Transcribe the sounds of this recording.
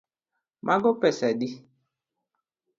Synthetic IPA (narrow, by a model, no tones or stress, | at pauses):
mʔaɡopɛsɛdi